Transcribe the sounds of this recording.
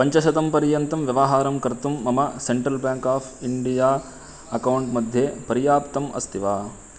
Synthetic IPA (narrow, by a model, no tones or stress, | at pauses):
pɐɲt͡ʃɐʃɐt̪ɐmpɐɾjɐnt̪ɐmʋjɐʋɐɦaːɾɐmkɐɾt̪umːɐmɐseɳʈɾɐlbjaːŋkaːpʰiɳɖijaː | ɐkɐwuɳʈmɐd̪ʱjeːpɐɾijaːpt̪ɐmɐ̰st̪ʰiʋaː